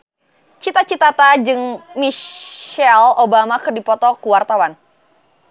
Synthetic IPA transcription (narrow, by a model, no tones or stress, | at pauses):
t͡ʃit̪at͡ʃit̪at̪ad͡ʒɨŋmi | ɛlobamakɨrdipɔt̪ɔkuwart̪awan